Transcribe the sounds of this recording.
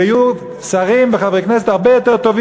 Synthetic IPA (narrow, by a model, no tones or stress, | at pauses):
aju | saʁimbeχaveknɛs̬et̪aʁbejot̪eʁt̪ovi